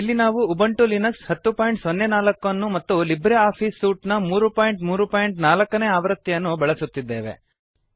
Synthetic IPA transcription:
ilːinaːʋuːbɐɳʈulinɐkshɐt̪ːupaːjiɳʈsonːenaːlɐkːɐnːumɐt̪ːulibɾeaːpʰiːsːuːʈnɐmuːɾupaːjiɳʈmuːɾupaːjiɳʈnaːlɐkːɐne̞ːaːʋɐɾɐt̪ːjjɐnːubɐɭɐsut̪ːid̪ːe̞ːʋe̞̰

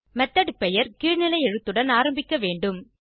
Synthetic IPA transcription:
mɛt̪ːɐɽɯpːɛjɐɾkiːɻnɪlɐɪɛɻɯt̪ːɯɽɐnaːɾɐmbɪkːɐʋeːɳɖɯm

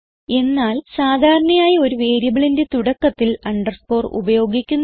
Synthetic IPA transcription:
e̞nːaːlsaːd̪ʱaːɾɐɳɐmaːjɐo̞ɾuʋe̞ːɾibɐɭinde̞t̪uɽɐkːɐt̪ːilɐɳɖɐrspo̞ːrṵbɐjo̞ːɡikʲːunː

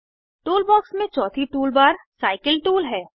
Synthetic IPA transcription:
ʈuːlbɔːksmẽt͡ʃɔːt̪ʰiʈuːlbaːɾsaːɪkəlʈuːlɦɛː

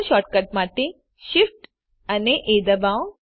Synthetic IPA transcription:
ʃɔʈ̚kəʈ̚maʈe | ʃifʈ | əneʔed̪əbãw

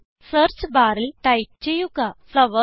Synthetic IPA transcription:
səɾt͡sbaɾlʈaip̚t͡ɕejuɡasəʋə

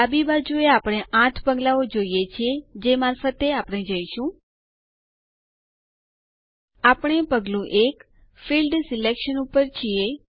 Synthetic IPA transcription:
abibad͡ʒueapɽ̃eʔãt̪ʰpəɡlaod͡ʒoijet͡ʃʰed͡ʒemaːɾfət̪eapɽ̃ed͡ʒəiʃũ | apɽ̃epəɡlũʔek | filɖsilekʃənupəɾt͡ʃʰie

